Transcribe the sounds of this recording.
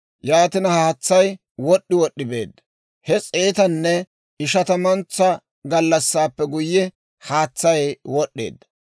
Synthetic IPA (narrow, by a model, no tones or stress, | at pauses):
jaːt̪ɪnɐhaːt͡sːɐj | wɔɗːɪwɔɗːɪbe̞̰ːd̪ːɐ | hɛt͡sʼeːt̪ɐnːɛ | ɪʃɐt̪ɐmɐnt͡sːɐ | ɡɐlːɐsːaːpːɛɡʊjːɛ | haːt͡sːɐjwɔɗːḛːd̪ːɐ